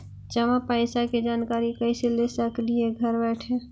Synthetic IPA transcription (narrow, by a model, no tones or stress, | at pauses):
d͡ʒəmapaɪsaked͡ʒaːnkaːɾikəɪselesəklieɡʱəɾbɛɪʈʰe